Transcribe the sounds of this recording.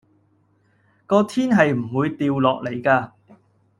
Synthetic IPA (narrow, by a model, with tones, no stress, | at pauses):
kɔː˧t̪ʰiː˥nɦɐ˨jm̩˨˩wuː˨˧jt̪iː˨˧wlɔː˨k̚le˨˩jkaː˧